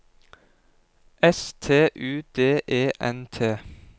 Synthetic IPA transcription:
ʔɛst̪ʰeːʔʉːd̪̥eːʔeːʔɛnt̪ʰeː

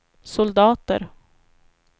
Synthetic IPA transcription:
sʊld̪ɑːt̪ə̰ɾ

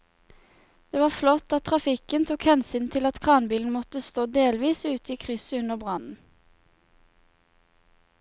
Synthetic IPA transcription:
d̪̥eːʋɑːflɔt̪ɑt̪̚ʰʁɑfɪkənt̪ʰuːkhɛnsyːnt̪ʰɪlɑt̪kʰʁɑːnbiːln̩mɔt̪əst̪oːd̪eːlʋiːsʉːt̪əiːkʰʁʏsəʉnəʁbʁɑnn̩

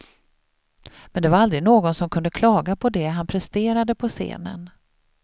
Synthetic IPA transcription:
mɛnd̪ɛvaɾald̪ɾɪɡnoːɡɔnsɔmkʰɵnd̪əkʰlɑːɡapʰɔd̪ɛɦanpʰɾɛst̪eːɾad̪əpʰɔsḛːnə̰n

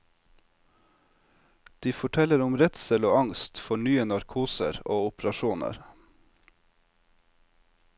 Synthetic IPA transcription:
d̪̥iːfɔʈʰɛləɾʊmɾɛt̪sɛloːɑŋst̪fɔɳyːənɑɾkʰuːsə̰ɾoːʊpɾɑʃuːnə̰ɾ

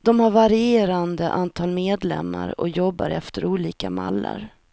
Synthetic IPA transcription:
d̪̥ɔmhaɾvaɾɪeːɾand̪əʔant̪ʰɑːlmeːd̪lɛmːaɾɔ̰jɔbːaɾɛft̪əɾuːliːkama̰lːaɾ

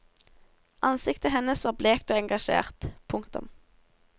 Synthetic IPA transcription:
ʔɑnsɪkt̪əɦɛnəsʋɑːʁbleːkt̪oːɛŋɡɑʃḛːʁt̪pʰʊŋkt̪ʊ̰m

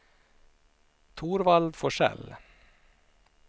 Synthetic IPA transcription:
t̪ʰuːɾʋɑlʋfɔʂɛ̰l

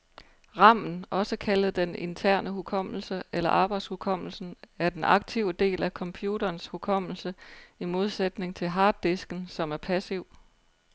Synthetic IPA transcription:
ʁɑ̈m̰n̩ɒ̽səkʰæləð̩ˠd̥ene̝nt͡sʰæɐ̰nʔəɦukʰɒ̽m̰l̩səelɐ̰ʔɑ̈ːb̥ɑ̈ɪd̥shukʰɒ̽m̰l̩sn̩æɐd̥enʔɑ̈ɡ̥̚t͡sʰiʊ̰əd̥e̝̰ːlækʰɒ̽mpʰjuːɾɐːnshukʰɒ̽m̰l̩səimo̝ð̞ˠsed̥ne̝ŋt͡sʰe̝lɦɑ̈ːd̥ːesɡ̥n̩sɒ̽mæɐpʰæsiʊ̰

